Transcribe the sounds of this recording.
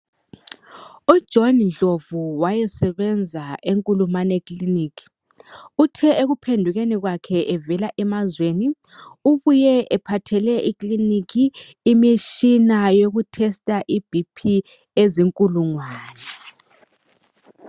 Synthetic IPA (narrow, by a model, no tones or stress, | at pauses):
ud̥ʒ̥ʱɔnnd͡ɮʱovuwajɛsɛβɛnd͡zʱaeŋkʼulumanekʼliniːkʰi̥ | utʰɛeɣupʰendʱuɣeniɣwakʰɛʔɛvɛlaʔɛmazweni | uβujɛʔɛpʰatʰɛlɛʔiklinikʰiː | miʃinajoɣutʰɛstʼaʔib̥ʱipʰi | eziŋkʼuluŋwaːnɛ